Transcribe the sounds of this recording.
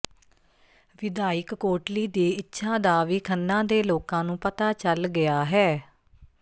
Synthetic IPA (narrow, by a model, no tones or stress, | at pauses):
ʋɪd̪aːɪkːoːʈliːd̪iːɪtːʃʰãːd̪aːʋiːkʰənːãːd̪eːloːkãːnũːpət̪aːt͡ʃəlɡɪaːɦɛː